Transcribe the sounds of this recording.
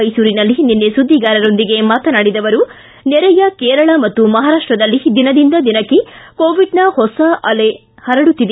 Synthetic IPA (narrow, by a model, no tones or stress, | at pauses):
ɐjsuːɾinɐlːininːesud̪ʱːiɡaːɾɐɾo̞nd̪iɡe̞maːt̪ɐnaːɽid̪ɐʋɐɾu | nɛɾɛjɐkeːɾɐɭɐmɐt̪ːumɐɦaːɾaːʂʈɾɐd̪ɐlːid̪inɐd̪ind̪ɐd̪inɐkːiko̞ːʋiɖnɐhɔsɐʔɐle | hɐɾɐɽut̪ːid̪e